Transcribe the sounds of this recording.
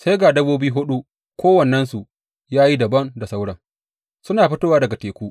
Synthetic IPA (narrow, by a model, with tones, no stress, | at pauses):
sa˦jɡaː˨dɐ˦boː˦biː˦ɦʊ˦ɗu˦ | kʷoː˦wɐ˨nːɐ˦nsu˨ʔ | jaː˦ji˦dɐ˨bɐ˦nda˨sa˦wɽɐ˨ŋ | sʊ˦naː˨ɸɪ˦toː˦waː˦dɐ˨ɡa˨teː˨kʷuː˦ʔ